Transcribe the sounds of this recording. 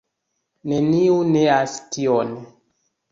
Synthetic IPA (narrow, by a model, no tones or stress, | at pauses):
neniuneastion